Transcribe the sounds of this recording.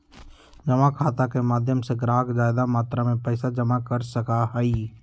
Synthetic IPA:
d͡ʒəmakʰaːt̪akemaːd̪ʱjəmseɡɾaːɡzaːɪd̪amaːt̪ɾamẽpɛːsad͡ʒəmakəɾsəkaɦəiː

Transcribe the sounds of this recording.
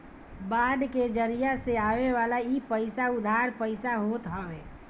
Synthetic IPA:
baɖked͡ʒəɾijaseaʋeʋalaipəɪsaʊd̪ʱaɾpəɪsaɦot̪ɦəʋe

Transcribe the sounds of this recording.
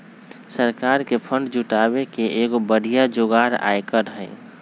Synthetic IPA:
səɾkaːɾkepʰə̃ɳɖd͡ʒuʈabekeʔeɡobəɽ̤ʱijad͡ʒoɡaːɾa̰jkəɾɦəɪ

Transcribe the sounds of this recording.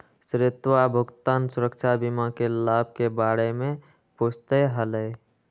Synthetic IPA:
sɾɪt̪wabʱʊɡt̪aːnsʊɾəkt͡ʃʰabimakelaːb̚ʱkebaːɾemẽ | pʊst̪əɦələj

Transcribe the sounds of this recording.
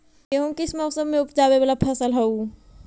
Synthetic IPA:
eɦũkɪsmɐsəbmẽʊpd͡ʒaːwebalapʰɐsəlɦɐu

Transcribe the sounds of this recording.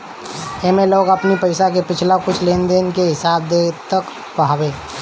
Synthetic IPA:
emeloːɡəpnipəɪsakepɪt͡ʃʰlakʊt͡ʃʰlend̪ɪnkeɦɪsaːbd̪et̪ək | pəɦaːbe

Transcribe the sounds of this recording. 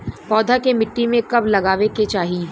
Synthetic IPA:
pɔːd̪ʱakemɪʈːimẽkɐblɐɡaːʋeket͡ʃaːɦiː

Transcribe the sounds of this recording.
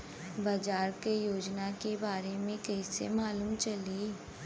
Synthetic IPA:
bɐd͡ʒaːɾkejoːd͡ʒnakebaːɾemẽkɛisḛmaːluːmt͡ʃɐli

